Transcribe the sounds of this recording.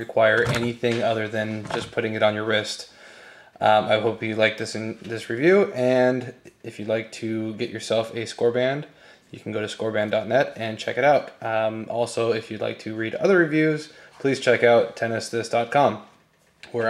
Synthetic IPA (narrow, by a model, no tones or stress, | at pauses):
ɹɨkʰw̥aɪə˞ʔɛniθɪ̃ŋʌðə˞ðɨ̃nd͡ʒʌspʰʊɾɪ̃ŋɨɾn̩jə˞ɹɪst | ʔʌaɪɦoʊpjɨlaɪk̚ðɪsɨ̃nðɪsɹivjʉɨ̃ndɨfjɨlaɪk̚tʰɨɡɛt͡ʃə˞sɛlˠfɨskɔɹbæ̃nd̥ | jɨkʰn̩ɡoʊɾɨskɔɹbæ̃ndɑtⁿnɛɾɨ̃nt͡ʃʰɛ̰kɨɾaʊtmʔɔ̰lˠsoʊɨfjɨla̰ɪk̚tʰɨɹiɾʌ̰ðə˞ɹivjʉz̥ | pʰl̥iz̥t͡ʃʰɛkaʊtʰɛnɨsðɪsd̥ɑt̚kʰɑ̃m | wə